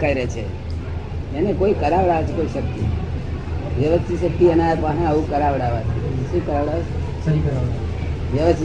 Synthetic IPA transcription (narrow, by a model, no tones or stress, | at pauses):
kaiɾet͡ʃʰe | enekoikəɾaʋɽaʋet͡ʃʰekoiʃək̚t̪ḭ | ʋəʋəst̪iʃək̚t̪iənat̪ʋanãəʋũkəɾaʋɽaʋat͡ʃisekəɾaʋɽaʋet͡ʃʰ | səɦikəɾaʋa | ʋjəʋəst̪i